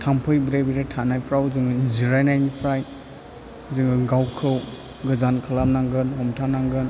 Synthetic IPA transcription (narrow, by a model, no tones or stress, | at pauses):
tʰampʰɯjbɾebiɾetʰanajpʰɾawuzɯŋɯinziɾajnajnipʰɾaj | uzɯŋɯɡawkʰɯw | ɡɯzankʰalamnaŋɡɯnhɔmtʰanaŋɡɯn